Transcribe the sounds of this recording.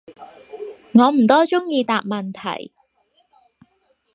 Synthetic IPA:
ŋɔː˨˧m̩˨˩t̪ɔː˥t͡sʊ˥ŋjiː˧t̪aː˨p̚mɐ˨nt̪ʰɐ̰˨˩j

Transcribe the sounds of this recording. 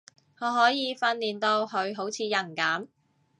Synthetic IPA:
ŋɔː˨˧ɦɔː˨˥jiː˨˧fɐ˧nliː˨˩nt̪o˧wɦɵ˨˧ɥɦo˨˥wt͡sʰiː˨˧jɐ˨˩ŋkaː˨˥m

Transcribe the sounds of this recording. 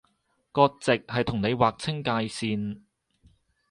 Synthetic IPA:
kɔː˧k̚t͡sɪ˨k̚hɐ˨jt̪ʰʊ˨˩ŋne˨˧jwaː˨k̚t͡sʰɪ˥ŋkaː˧jsiː˧n

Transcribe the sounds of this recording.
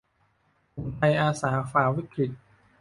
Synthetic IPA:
pʰo˨˩˦ŋt̪ʰa˧jʔaː˧saː˩˦faː˨˩wi˦˥kʰɾi˨˩t̪̚

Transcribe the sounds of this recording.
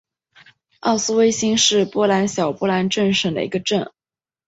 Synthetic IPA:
ɑ̰˥˩ʊsɹ̩˥we˥ɪɕi˥ŋʂɻ̩˥˧pwɔ˥la˧˥nɕjɑ˨˩ʊpɔ˥˩la˧˥nʈ͡ʂə˥˧nʂə˥˩ŋd̪ə̰˩i˧˥ɡə˧ʈ͡ʂə˥˩n

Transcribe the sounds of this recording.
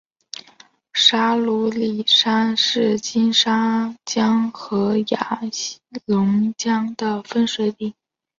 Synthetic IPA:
ʂa˥lu˧˥li˨˩ʂa˥nʂɻ̩˥˩t͡ɕi˥nʂa˥t͡ɕjɑ˥ŋxɤ˧˥ja˨˩ɕlʊ˧˥ŋt͡ɕjɑ˥ŋd̪ə˨fə˥nʂɤ˥˧t̪i˥˩

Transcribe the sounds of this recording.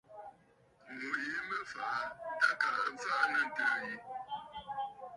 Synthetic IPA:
we˨˦mə˦fa˨˦ta˦ka̰˨˦fa˦na˨n˨tə˨ji˦

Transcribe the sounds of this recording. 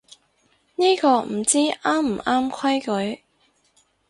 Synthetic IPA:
niː˥kɔː˧m̩˨˩t͡siː˥aː˥m̩˨˩aː˥mkʰɐ˥jkɵ˨˥ɥ

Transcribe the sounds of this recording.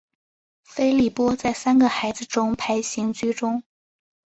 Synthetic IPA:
fe˥ɪli˥˩pwɔ˥t͡sa˥˩ɪsa˥nɡə˨xa˧˥ɪd͡zɹ̩˧ʈ͡ʂʊ˥ŋpʰa˧˥ɪɕi˧˥ŋt͡ɕy˥ʈ͡ʂʊ˥ŋ

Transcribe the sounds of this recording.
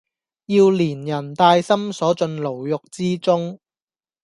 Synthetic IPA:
jiː˧wliː˨˩njɐ˨˩nt̪aː˧jsɐ˥msɔː˨˥t͡sɵ˧nlo˨˩wjʊ˨k̚t͡siː˥t͡sʊ˥ŋ

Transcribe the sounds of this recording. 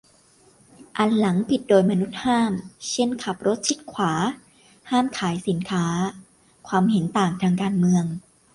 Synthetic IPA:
ʔa˨˧nla˩˦ŋpʰi˨˩t̪̚doː˧jma˧nu˦˥t̪̚haː˥˩mt͡ɕʰe˥˩nkʰa˨˩p̚ɾo˦˥t̪̚t͡ɕʰi˦˥t̪̚kʰwaː˩˦ | haː˥˩mkʰaː˩˦jsi˩˦nkʰaː˦˥ | kʰwaː˧mɦe˩˦nt̪aː˨˩ŋt̪ʰaː˧ŋkaː˧nmɯ˧əŋ

